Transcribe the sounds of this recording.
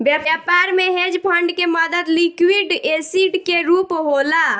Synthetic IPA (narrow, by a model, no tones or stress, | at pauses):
bjaapaɾmeɦed͡ʒpʰəɳɖkeməd̪əd̪likwiɖesiɖkeɾupɦola